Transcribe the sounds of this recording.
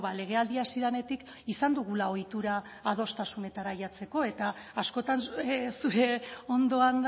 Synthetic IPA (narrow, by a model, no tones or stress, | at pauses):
βale̞ɣ̞e̞ald̪iasiðane̞t̪ik | isand̪uɣ̞ulao̞jt̪uɾaː | ð̞o̞st̪asune̞t̪aɾaʎat͡se̞ko̞e̞t̪aː | sko̞t̪ansuɾe̞o̞nd̪o̞and̪